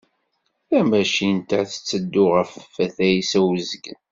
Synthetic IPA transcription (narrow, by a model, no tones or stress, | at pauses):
θæmæʃint̪æθə̥t͡sːəd̪ːʊʁəfːæθæjisæwəzəɡn